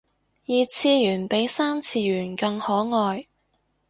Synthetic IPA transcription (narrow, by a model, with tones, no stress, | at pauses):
jiː˨t͡sʰiː˧jyː˨˩npe˨˥jsaː˥mt͡sʰiː˧jyː˨˩nkɐ˧ŋhɔː˨˥ŋɔː˨˧j